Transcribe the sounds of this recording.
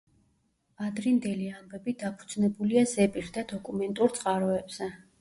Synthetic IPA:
ad̪ɾind̪ɛliambɛbid̪apʰud̪znɛbuliazɛpʼiɾd̪ad̪ɔkʼumɛnt̪ʼuɾt̪sʼqʼaɾɔɛbz̥ɛ

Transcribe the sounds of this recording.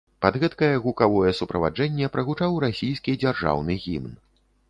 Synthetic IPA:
pad̪ɣɛt̪kɐjɛɣukavɔjɛsupɾɐva̰d͡ʐɛnʲːɛpɾɐɣut͡ʂawɾasʲijskʲid͡zʲarʐa̰wnɨɣʲḭmn

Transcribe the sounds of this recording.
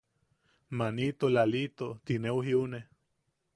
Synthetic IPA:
manit̪olalit̪ot̪inewɦiune

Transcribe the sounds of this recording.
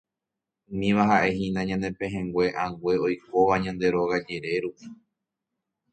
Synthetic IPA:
ũmĩʋaɦaʔe̞ɦĩnãɲãne̞pẽɦẽŋɡwe̞ʔãɡwe̞o̞jko̞ʋaɲãnd̪e̞ɾo̞ɣad͡ʒe̞ɾe̞ɾupi

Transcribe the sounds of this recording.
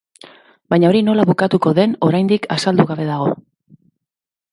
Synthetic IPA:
baɲao̞ɾino̞laβukat̪uko̞ðe̞no̞ɾajnd̪ikʰasald̪uɣaβe̞ðaɣ̞o̞

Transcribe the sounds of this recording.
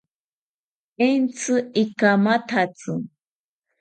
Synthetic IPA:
ɛnt͡sʰɨikamat̪ʰat͡sʼɨ

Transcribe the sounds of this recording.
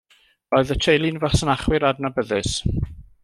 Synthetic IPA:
ɔɨðətʰejlˠɪnvasənaχwɪɾadnabəðɪs

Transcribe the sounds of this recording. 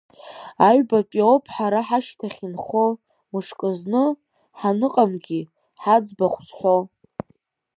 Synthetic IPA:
aɥbapʲʼiopʰħaɾaħaʃtʰaχʲinχo | mɨʂkʼɨznɨ | ħanɨqʼamɡʲi | ħad͡zbaχʷsħʷo

